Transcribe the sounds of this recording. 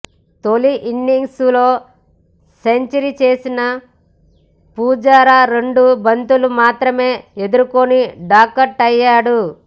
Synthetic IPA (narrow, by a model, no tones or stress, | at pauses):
t̪o̞liʔiɳɖiŋɡslo̞ː | se̞ɲt͡ʃɐɾit͡ʃe̞ːsinɐ | puːd͡ʒaːɾaɾe̞ɳɖubɐnt̪ulumaːt̪ɾɐme̞ːe̞d̪uɾukoniɖaːkɐɾʈɐjːaːɽu